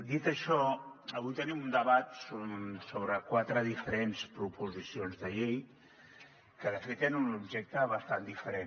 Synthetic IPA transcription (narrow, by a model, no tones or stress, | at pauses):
d̪it̪əʃɔ | əβujt̪ənimund̪əβat̪sosoβɾəkwat̪ɾəðifəɾenspɾupuzisionzðəʎej | kəðəfet̪enunubʒek̚t̪əβəst̪and̪ifəɾen